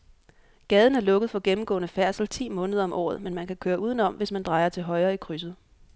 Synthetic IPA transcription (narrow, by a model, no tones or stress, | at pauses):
ɡ̥ɛːð̞ˠn̩æɐlɔ̽ɡ̥ð̩ˠfɒ̽ɡ̥emm̩ɡ̥ɔ̽ːnəfæɐsl̩t͡sʰḭːmɔ̽ːnəð̞ˠɐɒ̽mʔɒ̰ːðˠmenmænkʰækʰøːɐʔuːðˠən̩ɒ̽m̰ʋe̝smænd̥ʁɑ̈ɪɐt͡sʰe̝lɦɒ̽ɪɐːikʰʁys̬ð̩ˠ